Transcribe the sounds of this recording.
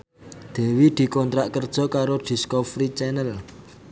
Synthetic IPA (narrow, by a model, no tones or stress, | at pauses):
d̪̥e̤wid̪̥i̤kɔnt̪ɾaʔkərd̥ʒ̥ɔ̤kaɾod̪̥i̤skɔfɾit͡ʃɛnəl